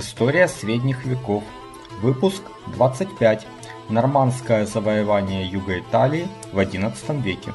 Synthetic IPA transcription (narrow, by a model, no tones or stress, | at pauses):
ɪst̪o̞ɾʲɪjəsʲɾʲedʲnʲɪxvʲɪkof | vɨpʊsk | d̪vat̪sɨtʲpʲætʲ | nɐrmanskəjəzəvəjɪvanʲɪjəjuɡəɪt̪alʲɪː | vɐdʲinət̪sə̥t̪əmvʲekʲɪ̰